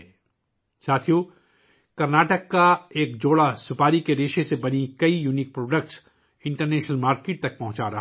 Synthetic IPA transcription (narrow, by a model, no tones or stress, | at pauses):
saːt̪ʰijo | kɐɾnaːʈəkːaeːk̚d͡ʒoːɽasʊpaːɾikeɾeːʃesebɐnikɐijuːniːk̚pɾoːɖək̚ʈs | ɪ̃ɳʈəɾneːʃnəlmaːɾkeːʈ̚t̪ɐk̚pɐɦʊ̃t͡ʃaɾɐɦ